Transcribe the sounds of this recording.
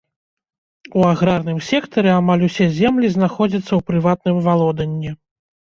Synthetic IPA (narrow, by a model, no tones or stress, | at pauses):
uaɣɾarn̪ɨmsʲɛkt̪ɐɾɛamalʲusʲɛzʲɛmlʲiznaxɔd͡zʲɐt̪sːɐwpɾɨvat̪̚nɨmvalˠɔd̪ɐnʲːɛ